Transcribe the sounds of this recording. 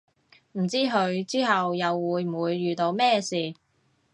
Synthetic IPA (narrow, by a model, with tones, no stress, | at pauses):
m̩˨˩t͡siː˥ɦɵ˧ɥt͡siː˥ɦɐ˨wjɐ˨wːuː˨˧jm̩˨˩uː˨˧jːyː˨t̪o˧wmɛː˥siː˨